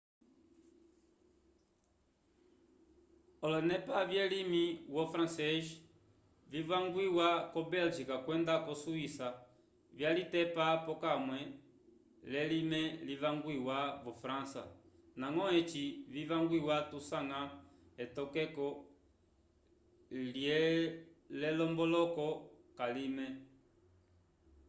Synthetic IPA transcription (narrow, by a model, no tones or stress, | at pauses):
ɔlɔnɛpavjɛlimiwɔfɾãnsɛʒ | vivaŋɡwiwakɔbɛld͡ʒikakwɛndakɔsuisa | vjalitɛpapɔkamwɛ | lɛlimɛlivaŋɡwiwaβɔfɾãnsa̰ | naŋɔɛt͡ʃivivaŋɡwiwatusaŋa | ɛtɔkɛkɔ | ljɛ | lɛlɔmbɔlɔkɔkalimɛ